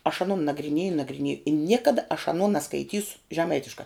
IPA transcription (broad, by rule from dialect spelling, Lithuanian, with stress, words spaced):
ɐʃ ɐˈnoːn nɐɡrʲɪˈnʲeːjʊ nɐɡrʲɪˈnʲeːjʊ ɪ ˈnʲiɛkɐdɐ ɐʃ ɐˈnoː nɐskɐɪˈtʲiːsʊ ʒʲɛˈmɐɪtʲɪʃkɐ